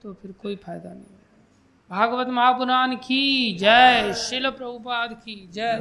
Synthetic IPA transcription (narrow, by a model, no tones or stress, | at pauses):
t̪opʰɪɾkoːipʰaːjd̪anɐɦĩ | bʱaːɡʋət̪mɐɦaːkʊɾaːnkid͡ʒɛʃɪlpɾɐbʊpaːd̪kid͡ʒɛ